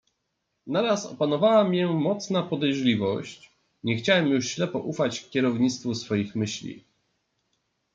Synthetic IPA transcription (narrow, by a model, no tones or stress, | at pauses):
naɾasɔ̰panɔvawamʲjɛmɔt̪snapɔd̪ɛjʐlʲivɔ̰ɕt͡ɕ | ɲɛxt͡ɕawɛmjuʂɕlɛpɔʔufat͡ɕkʲɛɾɔvɲit̪st̪fusfɔjixmɘɕlʲḭ